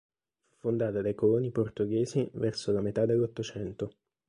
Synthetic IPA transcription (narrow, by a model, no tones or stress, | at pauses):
fufːond̪aːt̪ad̪ajkoloːniport̪oɡeːzivɛrsolamet̪ad̪ːelːot̪ːot͡ʃɛnt̪o